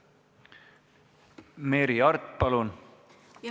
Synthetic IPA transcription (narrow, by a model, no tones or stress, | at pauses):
meɾiɑrt̪ːˑpɑlun